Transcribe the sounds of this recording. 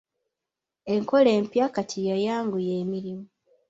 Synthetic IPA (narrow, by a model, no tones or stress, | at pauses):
eŋko̞le̞ːmpjaːkatʰijajaːŋɡuje̞ːmiɾimu